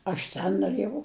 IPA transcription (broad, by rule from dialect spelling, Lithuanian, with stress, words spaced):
ˈɐʃ tʲɛn noːˈrʲeːjɛʊ